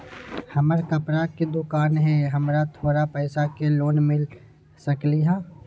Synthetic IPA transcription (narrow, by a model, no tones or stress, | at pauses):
hɐməɾkəpɾaked̪oːkaːnɦɛɦɐmɾat̪ʰoːɾapɛːsakeloːnmɪl | səkliɦãː